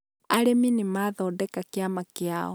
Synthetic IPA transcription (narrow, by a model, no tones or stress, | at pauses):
aɾeminimaːðɔːdɛkakjamakeaɔ̰